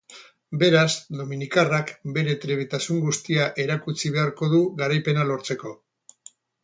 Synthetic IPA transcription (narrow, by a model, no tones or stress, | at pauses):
be̞ɾazd̪o̞minikarakbe̞ɾe̞t̪ɾeβet̪asuŋɡust̪iaʔe̞ɾakut͡siβ̞e̞aɾko̞ðuɣaɾajpe̞nalo̞ɾt͡se̞ko̞